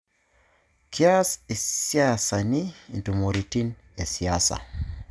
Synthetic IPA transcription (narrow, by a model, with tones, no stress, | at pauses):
kʰia˦se˨sia˦sa˨ni˦˨ntu˨mo˨ɾiti˦n | e˨si˨asa̰˨